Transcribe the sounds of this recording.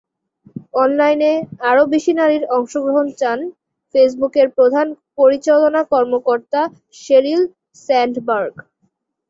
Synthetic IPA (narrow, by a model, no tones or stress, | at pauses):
ɔnlajneaɾobiʃinaɾiɾɔŋʃoɡɾoɦont͡ɕan | fes̬bukeɾpɾod̪ʱanpoɾit͡ɕalonakɔɾmokoɾt̪a | ʃeɾil | sɛɳɖbaɾɡ